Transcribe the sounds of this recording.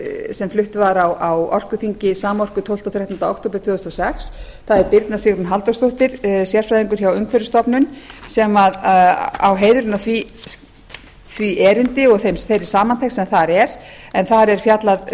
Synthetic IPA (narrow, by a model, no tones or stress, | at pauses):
sɛmflʏht̪vaɾawawɔr̥kʏθiɲcɪsaːmɔr̥kʏt̪ʰow̪t̪awθɾjaht̪ʏnt̪aokt̪ʰowp̬ɪɾ̥t̪ʰʏɣʏst̪ɔsɛxs | θaðɛɾpɪɾt̪nasɪɣɾʏmɦalt̪ɔst̪oht̪ɪɾ̥sjɛr̥fɾajðiŋkʏɾ̥çawʏŋkfɛɾʏst̪ɔpnʏnsɛmaða̰wɦeːjðʏɾʏnːaθvi | θviʔɛːɾɪnt̪ɪɔɣθejmsθejɾɪ̥saːmant̪ʰejxt̪sɛmθaɾɛɾ̥ | ɛnθaɾɛɾ̥fjat̪lað